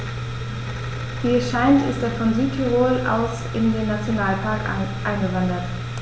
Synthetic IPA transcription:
v̥iːɛʃaɪntɪ̰st̚d̥eːɐfɔnzyːtʰəʁoːlʔa̰ʊs | ɪndeːnːat͡sjonaːlpʰaɐkʔaɪnɡəvandɐt

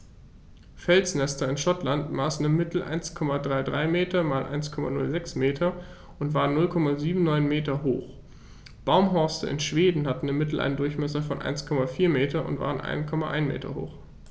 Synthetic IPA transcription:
fɛlt͡snɛstɐɪnʃɔtlantmaːsn̩ɪmːɪtl̩ʔa̰ɪnskʰɔmadʁaɪdʁaɪmeːtɐmaːlʔa̰ɪnskʰɔma̰nʊ̰lzɛksmeːtʰɐ | ʔʊntv̥aːʁənːʊlkʰɔmaziːbm̩nɔʏnmeːtɐɦo̰ːχ | b̥aʊmɦɔɐstə̰ʔɪ̰nʃv̥eːdn̩hatn̩ɪmːɪtl̩ʔa̰ɪnəndʊɐçmɛs̬ɐfɔnʔa̰ɪnskʰɔmafiːɐmeːtɐʊ̰ntv̥a̰ːʁənʔa̰ɪnkʰɔmaʔa̰ɪnmḛːtɐ̰ho̰ːx

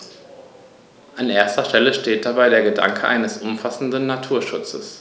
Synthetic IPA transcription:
ʔanʔeːɐstɐʃtɛləʃteːt̚d̥abaɪɾeːɐɡəda̰ŋkʰəʔa̰ɪnəsʔʊmfasn̩dnːatʰuːɐʃʊt͡səs

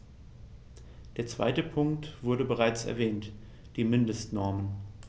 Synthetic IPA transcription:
d̥eːɐt͡sv̥a̰ɪtəpʰʊŋktv̥ʊɐɾəbəʁ̞aɪt͡sɛ̰ɐvɛːnt | d̥iːmɪndəstnɔɐmən

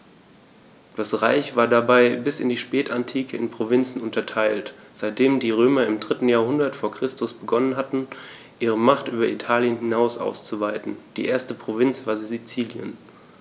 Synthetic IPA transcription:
d̥asʁaɪçv̥aːɐdabaɪbɪsɪndiːʃpɛːtantʰiːkʰəɪnpʁ̥ovɪnt͡sn̩ʊntɐtʰaɪlt | z̥aɪt̚d̥eːmdiːʁøːmɐɪmdʁɪtn̩jaːɐhʊndɐtfoːɐkʁ̥ɪstʊsb̥əɡɔnənɦatn̩ | ʔiːʁ̞əmaχtʔyːbɐitʰaːljənhɪnaʊsʔa̰ʊst͡suvaɪtn̩d̥iːʔeːɐstəpʁ̥ovɪnt͡sv̥aːɐzizit͡siːljə̰n

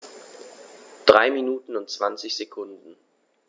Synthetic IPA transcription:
d̥ʁaɪminuːtn̩ʊnt̚t͡sv̥ant͡sɪçz̥ekʰʊndn̩

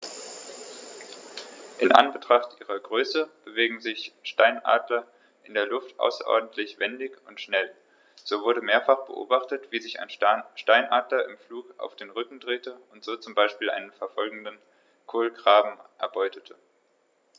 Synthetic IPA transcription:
ʔɪnʔa̰nbətʁ̥aχtʔiːʁɐɡʁøːsəb̥əveːɡŋ̩zɪçʃtaɪnʔa̰ːdlɐ | ʔɪndeːɐlʊftʔa̰ʊsɐ̰ʔɔ̰ɐdn̩tʰlɪçv̥ɛndɪçʊntʃnɛl | z̥oːvʊɐɾəmeːɐfaχb̥ə̰ʔo̰ːbaχtətv̥iːzɪça̰ɪnʃtaɪnʔaːdlɐʔɪmfluːka̰ʊfd̥eːnʁʏkŋ̩dʁeːtəʊntz̥oːt͡sʊmbaɪʃpiːlʔa̰ɪnənfɛɐfɔlɡŋ̩dən | kʰoːlɡʁaːbm̩ʔɛ̰ɐbɔʏtʰətʰə

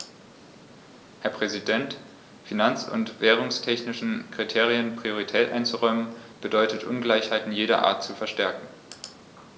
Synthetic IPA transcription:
hɛɐpʁ̥ɛzidɛnt | finant͡sʊ̰ntv̥ɛːʁ̞ʊŋstʰɛçnɪʃn̩kʁ̥itʰeːʁ̞iənpʁ̥ioʁ̞itʰɛːtʔa̰ɪnt͡suʁɔʏmənb̥ədɔʏtətʔʊ̰nɡlaɪçhaɪtn̩jeːɾɐ̰ʔa̰ːɐtt͡sufɛɐʃtɛɐkŋ̩

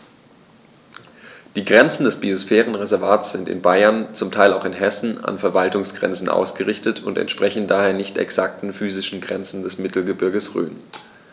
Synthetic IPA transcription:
d̥iːɡʁɛnt͡sn̩dɛsb̥iosfɛːʁ̞ənʁezɛɐvaːt͡sz̥ɪntɪ̰nbaɪɐnt͡sʊmtʰaɪlaʊxɪnɦɛsn̩a̰nfɛɐvaltʊŋsɡ̥ʁɛ̰nt͡sn̩ʔa̰ʊsɡ̥əʁɪçtətʰʊntɛ̰ntʃpʁ̥ɛçn̩daːheːɐnɪçtɛ̰ksak̚tn̩fyːzɪʃn̩ɡʁɛnt͡sn̩dɛsmɪtl̩ɡəbɪɐɡəsʁø̰ːn

